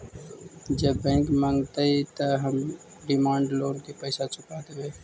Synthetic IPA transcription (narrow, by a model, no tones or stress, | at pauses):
d͡ʒəbːɛ̃ːŋkmə̃ŋɡt̪əit̪əɦəm | ɖɪmaːɳɖloːnkepəɪsat͡ʃʊkad̪ebeː